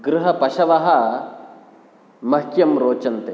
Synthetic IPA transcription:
ɡɾuɦɐpɐʃɐʋɐɦɐ̆ | mɐkjɐmɾoːt͡ʃɐnt̪e

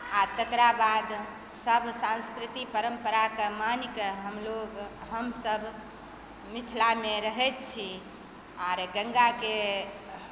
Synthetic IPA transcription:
at̪əkɾabad̪səbʱsãnskɾit̪ipəɾəmpəɾakəmanikeɦəmloɡɦəmsəbʱ | mit̪ʰlameɾəɦɛt̪̚t͡ʃʰi | aɾɡəŋɡake

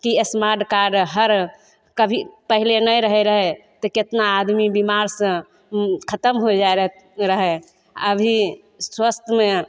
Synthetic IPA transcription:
kiesmaɾɖkaɾɖɦəɾ | kəbʱipəɦilenəjɾəɦɛɾəɦɛt̪ɔket̪naːd̪mibimaɾsə̃ | kʰət̪əmɦod͡ʒaeɾə | ɾəɦɛ | ə̰bʱi | swəst̪ʰəme

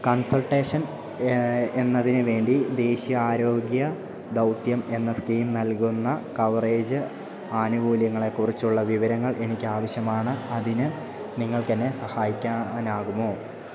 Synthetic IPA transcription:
kɐnsɐlʈeːʂɐn | e̞nːɐðinɨʋe̞ːɳɖid̪e̞ːɕijɐaːɾo̞ːɡjɐ | d̪ɐwt̪jɐme̞nːɐskiːmnɐlkunːɐkɐʋreːd͡ʑɨ | aːnuʋuːljɐŋːɐɭe̞kːurit͡ɕːuɭːɐʋiʋɐɾɐŋːɐɭʔe̞nikʲːɨaːʋɐɕjɐmaːɳɨɐðinɨ | niŋːɐɭk̪ɐnːe̞sɐhaːjikʲːaːnaːɣumo̞ː

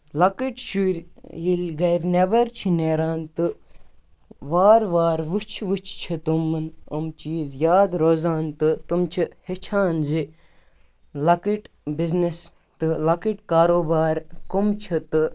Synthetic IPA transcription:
lɐkiʈʃuɾʲjilʲɡɐjɾnebɐɾt͡ʃʰineːɾaːnt̪ɨ | ʋaːɾʋaːɾʋut͡ʃʰʋut͡ʃʰt͡ʃʰit̪umːɐnɐmt͡ʃiːzjaːd̪ɾozaːnt̪ɨt̪umt͡ʃʰihet͡ʃʰaːnzi | lɐkiʈ | biznes | t̪ɨlɐkiʈkaːɾoːbaːɾkomt͡ʃʰɐt̪ɨ

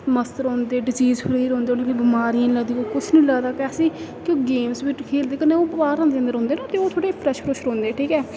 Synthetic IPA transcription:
məst̪əɾɦɔ̃ːnd̪eːɖɪziːzpʰəɾiːɾõːnd̪eːoeːkibɪmaːɾijãːnləɡd̪iːkokʊt͡ʃʰnĩːləɡd̪aːkɛːsiːkõːɡeːmsʋɪʈkʰeːld̪eːkəneːoːbʋaːɾãːnd̪eə̃nd̪əɾɦõːnd̪eːnãːt̪eːoːt̪ʰoːɽeːpʰɾɛʃpʰɾəʃɾõːnd̪eːʈʰiːkɛː

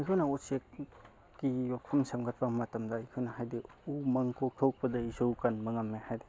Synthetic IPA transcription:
ɐjkʰewnɐusek̚ː | ijok̚pʰɐmsɐmɡɐt̚pɐmɐtɐmdɐːjkʰuwnɐhajdiumɐŋkok̚tʰok̚pɐdɐisowkɐnmɐŋɐmːehajde

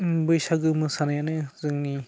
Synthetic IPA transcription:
bɯjsaɡɯmɯsanajanɯzɯŋni

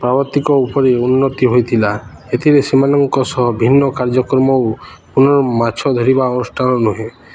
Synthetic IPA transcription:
pɾabɔt̪ikɔupɔɾeunːɔt̪iɦojt̪ʰila | et̪ʰiɾesimanɔŋkɔsɔɦɔbʱinːɔkaɾd͡ʒɔkɾɔmɔwpunɔɾɔmat͡ʃʰɔd̪ʱɔɾibaɔnusʈʰanɔnuɦẽ

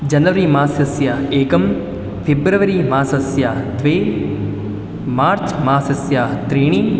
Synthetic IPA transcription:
d͡ʒɐnʋəɾimaːsɐsjaeːkɐm | pʰebɾəʋəɾimaːsɐsjat̪ʋeː | maːɾt͡ʃmaːsɐsjat̪ɾiːɽ̃iː

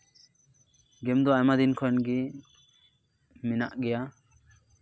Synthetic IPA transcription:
ɡɛmd̪ɔajmad̪inkʰɔnɡi | mina̰ʔɡɛja

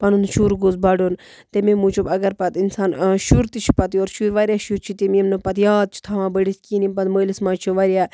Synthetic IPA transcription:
pɐnund̪ʃuɾɡozbɐɖoːn | t̪ememut͡ʃʰubɐɡɐɾpɐt̪insaːnʃuɾt̪it͡ʃʰi̥pɐt̪ioːɾʃuɾʋaɾʲjaːʃuɾt͡ʃʰit̪imimnɨpɐt̪jaːd̪̚t͡ʃʰu̥t̪ʰaʋãːbəɽiskiːnimpɐt̪məːlismãːt͡ʃʰiʋaɾʲjaː

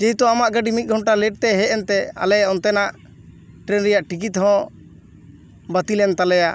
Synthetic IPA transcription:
d͡ʒiɦit̪ɔamaʔɡəɖimit̪̚ɡʱɔɳʈalɛʈ̚t̪ɛɦɛʔɛnt̪ɛa̰lɛjaʔɔnt̪ɛnaʔ | ʈɾɛnɾɛjaʔʈik̬it̪ɦɔ̃ | bət̪ilɛnt̪alɛjaʔ

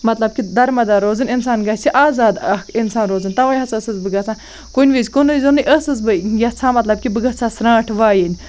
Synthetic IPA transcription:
mɐt̪lɐb̚kʲid̪ɐɾmɐd̪aːɾoːzɨnʲinsaːnɡɐht͡sʰiʔaːzaːd̪ɐkʰinsaːnɾoːzɨnʲt̪ɐʋaːjɦɐt͡sʰɐsɨzbɨɡɐt͡sʰãː | kunʲʋizkunʋizɨnɨjʔɐsɨzbɨjɐt͡sʰãːmɐt̪lɐb̚kʲibɨɡɐt͡sʰaːsɾãːʈʰʋaːjinʲ

